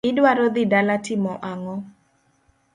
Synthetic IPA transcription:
ɪdwaɾɔd̪ɪdalatɪmɔʔaŋɔ

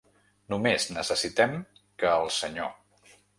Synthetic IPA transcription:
numeznəsəsit̪ɛm | kəːlˠsəɲo̰

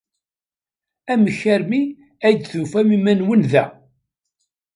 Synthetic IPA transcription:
æməçːæɾmi | æjd̪θufæmimænwənðæ

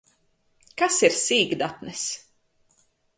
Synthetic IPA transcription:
kasiɾsiːɡd̪at̪nɛs

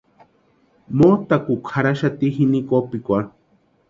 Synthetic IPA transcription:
moːt̪akukʰaɾaʃat̪iɦinikopikʷa

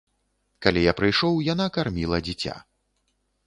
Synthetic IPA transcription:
kalʲijapɾɨjʂɔwjanakarmʲilˠɐd͡zʲit͡sʲa̰

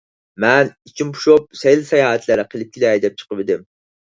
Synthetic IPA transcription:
mɛnit͡ʃʰimpʰu̥ʃop̚sɛjlsɛjɑːhɛt̪læɾɪqʰəlˠɪp̚kʲʰilɛjd̪ɛp̚t͡ʃʰə̥qəpɪd̪ɪm

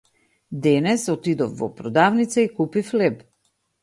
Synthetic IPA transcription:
d̪ɛnɛsɔt̪id̪ɔfvɔ̰pɾɔd̪avnit̪saikupiflɛp

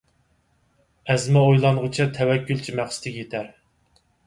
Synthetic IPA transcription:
ɛzmɛojlˠɑnʁʊt͡ʃʰit̪ʰɛwɛkʲːylt͡ʃʰimæχsɪ̥t̪ʰɪkʲjet̪ʰæɾ

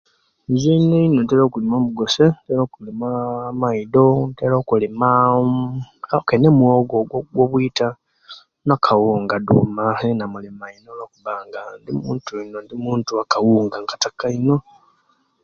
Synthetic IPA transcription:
nzineinontelokulimomuɡosenteloːkulimamaidonteloːkulima | kenemuoɡoɡɡwoβwita | nakʰawuŋɡadumanenamulimainolokuβaːŋɡandimuːntuinondimuːntuakawuːŋɡaŋɡatakaino̞

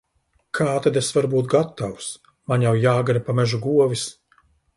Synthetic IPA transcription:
kʰaːt̪ad̪esvaɾbuːt̪̚ɡat̪aws | manjawjaːɡaɾapamɛʒuɡuɔvis

